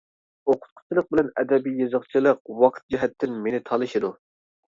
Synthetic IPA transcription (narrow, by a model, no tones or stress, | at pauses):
oqʰʊ̥t̪̚qʰʊ̥t͡ʃʰilˠəq̚bɪlɛnɛ̰d̪ɛbijjːɨzəχt͡ʃʰilˠəqwɑqʰt̪̚d͡ʒiɦɛt̪ʰːɪnmenɪt̪ʰɑlˠɨʃid̪u